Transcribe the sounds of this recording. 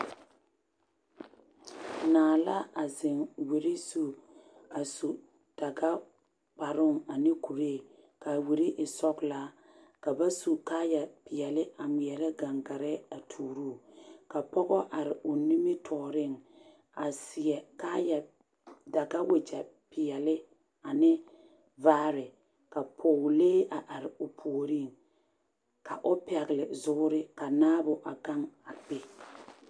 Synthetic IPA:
naː˨la˦a˨zɪ˨ŋwe˨ɾe˦su˨a˨su˨ | d̥a˨ɡa˦ | k͡pa˨ɾʊ˦˨ŋa˨nɪ˦ku˨ɾe˦˨ | ka˨we˨ɾe˦ʔɪ˨sɔ˦kla˦ | ka˨ba˦su˨kaː˦ja˨pɪ˨jɛ˨lɪ˦a˨mɪ˨ɛ˨lɛ˦ɡa˨ŋɡa˨ɾɛ˦a˨tʰuː˨ɾuː˦˨ka˨pɔ˦ɣɔ˦ʔa˨ɾɪ˨ʔʊ˨ni˦mɪ˦tʰɔː˨ɾɪ˦˨ŋ | a˨sɪ˨ɛ˨kaː˦ja˨ | da˨ɡa˦we˨t͡ʃɛ˨pɪ˨jɛ˨lɪ˦ | a˨nɪ˦ | vaː˦ɾɪ˨ | ka˨pʰoː˨leː˦a˨ʔa˨ɾɪ˨ʊ˨pʰo˨o˨ɾi˦˨ŋ | ka˨ʔʊ˦pɛ˨ɣɪ˨lɪ˨zʊ˦ʊ˦ɾɪ˦ka˨naː˦bʊ˨ʔa˨ka˦ŋa˨k͡pe˦

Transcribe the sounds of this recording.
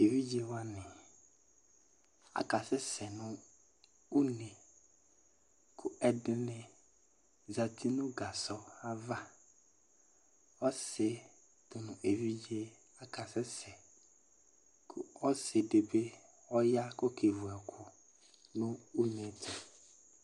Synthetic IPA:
e˨vi˦d͡ʒe˦wa˦nɪ̃˨ | a̰˨ka˨sɪ˦sɛ˨nʊ̃˦ | u˦ne˨ | kʰʊ˦ɛ˨dɪ˦nɪ̃˦ | za˨tʰi˦nʊ̃˦ɡa˨sɔ˦a˦va˦ | ɔ˦sɪ˨ | tʊ˨nʊ̃˨ʔe˨vi˦d͡ʒe˦ | a˨ka˨sɪ˦sɛ˨ | kʰɔ˦sɪ˨de˨be˦ | ɔ˦ja˦kɔ˦kʰe˨vʊ˨ɛ˨kʰʊ˦ | nʊ̃˦u˦ne˨t̪ʰʊ˨

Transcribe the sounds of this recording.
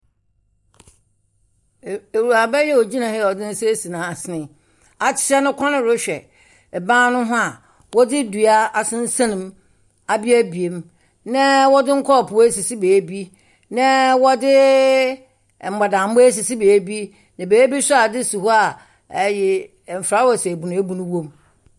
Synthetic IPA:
e˨ɾu˨a˨bɛ˦jɛ˦wɔ˨d͡ʑi˦nã˨hɛ˦˨ɔ˨dɪ̃˦n̩˦se˦si˨nãː˨sɪ˦nɪ̃˨ | a˨t͡ɕʰɪ̥˨t͡ɕa˦nʊ̃˦kʰã˦nɪ̃˦ɾʊ˦ɕᶣɛ̰˨ | bãː˦nʊ̃˦ɦʊ̃˦a˨ | wɔ˦dɪ˦du˨a˦a˨sɪ̃˦n̩˦sã˦nʊ̃˨m | a˨bi˦æ˦bi˨e˨m | nã˦wɔ˦dɪ˦ŋ̩˦kʰɔ˦˨pʰu˨we˦si˨si˦beː˨˦bi˦ | nɛ̃˦wɔ˦dɪ˦˨ | m̩˨ɡ͡ba˨dã˨m̩˦ʊ˦e˦s̬i˨si˦beː˨˦bi˦ | nã˨beː˨˦bi˦sʊ˦a˨dɪ˦su˨hu˦a˨ | jɛ˨ | m̩˨fɾa˦wɔ˨sɛ˨bu˨nʊ̃˨˦e˦bu˦nʊ̃˦wõ˦m

